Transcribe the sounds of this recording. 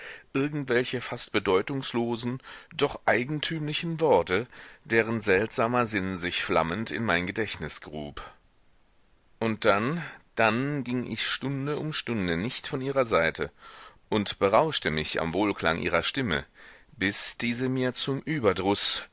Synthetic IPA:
ʔɪɐɡŋ̩tv̥ɛlçəfast̚b̥ədɔʏtʊŋsloːzn̩d̥ɔχʔaɪɡŋ̩tʰyːmlɪçn̩vɔɐtəd̥eːʁ̞ənzɛltz̥aːmɐzɪnzɪçfla̰məntɪ̰nmaɪnɡədɛçtnɪsɡ̥ʁuːp | ʔʊnt̚d̥and̥anɡɪŋʔɪ̰çʃtʊndəʔʊmʃtʊndənɪçtfɔnʔiːʁɐzaɪtʰəʔʊntb̥əʁaʊʃtəmɪça̰mvoːlkʰl̥a̰ŋʔḭːʁɐʃtɪmə̰b̥ɪsd̥iːzəmiːɐt͡sʊmʔyːbɐdʁʊs

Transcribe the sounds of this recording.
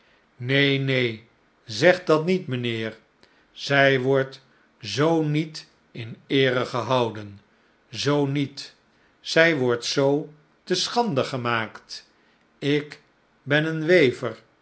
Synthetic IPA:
nejnej | zɛχdɑtnitmənɪːɹ | z̥ɛjʋɔɹt | zownit | ɪnɪːrəχəɦɑwdən | zownit | z̥ɛjʋɔɹtsow | təsχɑndəχəmaːkt | ɪk | bɛnənʋejvəɹ

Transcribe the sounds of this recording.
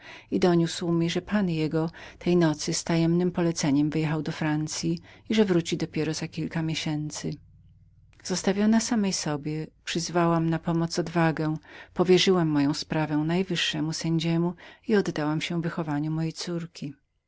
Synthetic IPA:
id̪ɔɲuswmʲiʐɛpanjɛɡɔt̪ʰɛjnɔt̪sɘst̪ajɛmnɘmpɔlɛt̪sɛɲɛmvjɛxawd̪ɔfɾant̪sʲjiiʐɛvɾut͡ɕid̪ɔpʲjɛɾɔzakʲilkamʲjeɕɛnt̪sɘ | z̥ɔst̪avʲjɔnasamɛjsɔbʲjɛpʂɘzvawamnapɔmɔt̪sɔd̪vaɡɛ̃pɔvʲjɛʐɘwamːɔjɔ̃w̃spɾavɛ̃najvɘʂːɛmusɛɲd͡ʑɛmuiɔd̪ːawamɕɛ̃vɘxɔvaɲumɔjejt̪suɾkʲi

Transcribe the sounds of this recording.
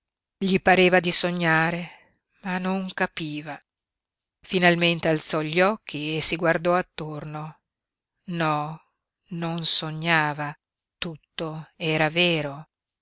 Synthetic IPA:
ʎipaɾeːvad̪isoɲːaːɾe | manoŋkapiːva | finalment̪ealt̪sɔʎːiɔkʰːiesiɡward̪ɔat̪ːorno | nɔ | nonsoɲːaːva | t̪ut̪ːoɛːɾaveːɾo

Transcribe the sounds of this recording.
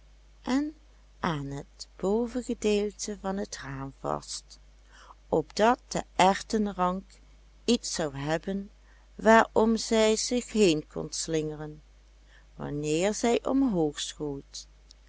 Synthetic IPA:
ʔɛn | ʔaːnɦətb̥owvəɣədeːlˠtʰəvɑnɦətraːmvɑ̰st | ʔɔbdɑt̚d̥əʔɛɹtənrɑŋk | itsɑwɦɛbən | ʋaːɹɔmzɛjzɪxɦejnkʰɔ̰nslɪŋərən | ʋɑ̰nɪːɹzɛjʔɔmɦoːxsxojt

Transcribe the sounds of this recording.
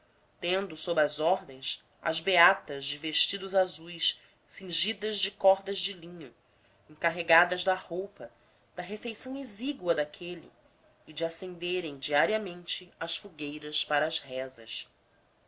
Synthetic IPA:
t̪ẽnd̪ʊsobɾɐzɔɦd̪ẽj̃s | ɐ̰zbeat̪ɐzd͡ʒɪveʃt͡ʃid̪ʊzazujs | sĩŋʒid̪ɐzd͡ʒɪkɔɾd̪ɐzd͡ʒɪlĩɲʊ | ẽŋkaɦeɡad̪ɐzd̪ɐhowpɐ | d̪̥ɐɦefejsɐ̃w̃eziɡwɐd̪akʰelḭ | ɪd͡ʒɪasẽnd̪eɾẽj̃d͡ʒiaɾiɐmẽnt͡ʃɪɐʃfuɡejɾɐspaɾɐːzhɛzɐ̰s

